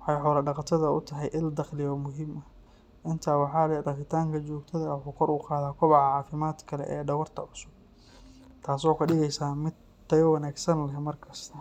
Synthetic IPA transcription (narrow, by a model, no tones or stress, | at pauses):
wɑħɑjħɔːlɐɖɑqɑt̪ʰɐðɐʊt̪ʰɐɦɛjʔɪld̪ɐχlɪjɔːmʊɦimɐ | ʔɪnt̪ʰaːwɑħɑːlɛɖɑχɪt̪ʰaːŋkʰɐt͡ʃɔːɡt̪ʰɐðɐwħuːkʰɔɾʊqɑːðaːkʰɔβɑʕɑʕɑːfɪmaːd̪kʰɐlɛ̰ʔɛːɖɐwɐrt̪ʰɐʕʊsʊb̚ | t̪ʰaːsɔːkʰɐɖɪɣɛjsaːmɪd̪ | t̪ɐjɔwɐnaːɡsɐnlɐɦɛmɐrkʰɐst̪ʰɐ